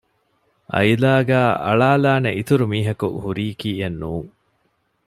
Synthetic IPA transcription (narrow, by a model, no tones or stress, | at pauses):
ʔɐ̰jlaːɡæːʔɐ̰ɭaːlaːneʔit̪uɾumiːɦɐkṵhuɾiːkiːenːuːŋ